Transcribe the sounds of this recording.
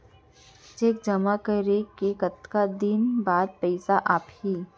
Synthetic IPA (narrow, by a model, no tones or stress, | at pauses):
t͡ʃeːk̚d͡ʒɐmakəɾekekət̪kad̪ɪnbaːd̪̚pɛɪsaʔaːphiː